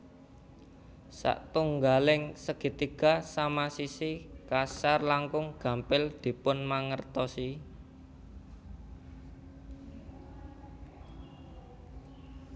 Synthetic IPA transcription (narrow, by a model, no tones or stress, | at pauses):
sa̰ʔt̪uŋɡalɪŋsəɡ̥i̤t̪iɡ̥a̤samasisikasarlaŋkʊŋɡ̥ä̤mpɪld̪̥i̤pʊnmaŋərt̪ɔsi